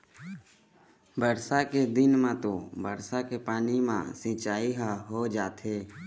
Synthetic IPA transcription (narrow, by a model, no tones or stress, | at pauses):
bəɾsaked̪ɪnmãt̪obəɾsakepaːnimã̰sĩːt͡ʃaːiɦaɦod͡ʒaːt̪ɦeː